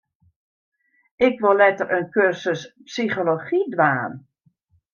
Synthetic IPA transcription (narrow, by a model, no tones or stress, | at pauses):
ɪkʋolɛtərʔənkørsəspsixoloχidʋaːn